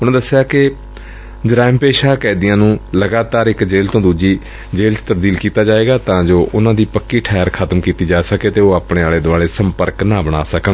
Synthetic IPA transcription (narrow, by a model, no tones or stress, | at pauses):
ʊnãːd̪əsːejaːkɪ | d͡ʒɪɾaːɪmpeːʃaːkɛːd̪ɪjãːnũːləɡaːt̪aːɾɪkd͡ʒeːlt̪õːd̪uːd͡ʒiː | d͡ʒeːlt͡ʃt̪əb̚d̪iːlkiːt̪aːd͡ʒaːeːɡaːt̪ãːd͡ʒoːʔʊnãːd̪iːpəkːiːʈʰaːəɾkʰət̪mkiːt̪iːd͡ʒaːsəkeːt̪eːoːaːpɳeːaːleːd̪ʊaːleːsəmpəɾknãːbəɽ̃a̰ːsəkən